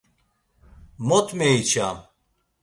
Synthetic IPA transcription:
mɔt̪ʰmeit͡ʃʰam

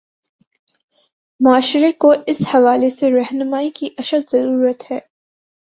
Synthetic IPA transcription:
mʊaːʃɾekoʔɪshɐʋaːleseɾɛɦnəmaːikiʔɐʃəd̪zɐɾuːɾət̪hɛː

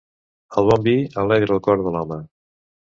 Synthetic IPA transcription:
əlˠβɔmbiəlɛɣɾəlˠkɔɾðəlɔmə

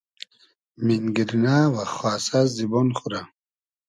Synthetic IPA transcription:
minɡiɾnawaχwaːsazibɔnχuɾa

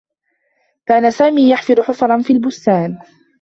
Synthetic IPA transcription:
kaːnasaːmiːjaħfɪd̪ʊħʊfɑɾˤɑnfiːlbʊst̪aːn

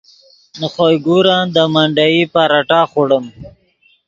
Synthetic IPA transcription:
nəχojɡuɾɑːnd̪əmaɳɖajipaɾaʈɑːχoɽəm

